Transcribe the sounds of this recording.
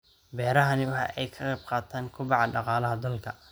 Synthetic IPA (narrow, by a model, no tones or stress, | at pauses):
bɛːɾɐɦɐnɪwɑħɑ̰ʔɛjkʰɐqɛːb̚qɑːt̪ʰaːŋkʰʊbɑʕɑɖɑqɑːlɐɦɐd̪ɐlkʰɐ